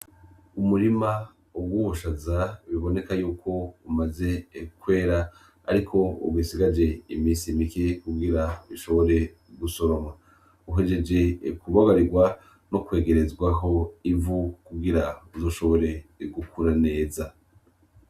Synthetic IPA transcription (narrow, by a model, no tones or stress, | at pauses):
umuɾima | ob̚ɡwuβuʃazaβiβo̞ne̞kajuːkʰo̞umaze̞kwe̞ːɾa | a̰ɾikʰo̞ṵbwisiɡad͡ʒe̞imiːnsimikekuɡiɾaβiʃo̞βo̞ɾe̞ | ɡuso̞ɾo̞ma | uɦe̞d͡ʒe̞d͡ʒe̞kuβaɡaɾiɡwa | nokwe̞ːɡe̞ɾe̞zɡwaɦo̞ivukuɡiɾauzo̞ʃo̞βo̞ɾe̞ɡukʰuɾane̞ːza